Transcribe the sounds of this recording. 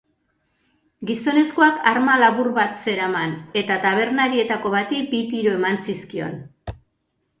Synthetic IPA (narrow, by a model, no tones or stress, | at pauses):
ɡiso̞ne̞skoakaɾmalaβuɾβat̪se̞ɾamane̞t̪at̪aβ̞e̞ɾnaɾie̞t̪ako̞βat̪ibit̪iɾoe̞mant͡siskio̞̰n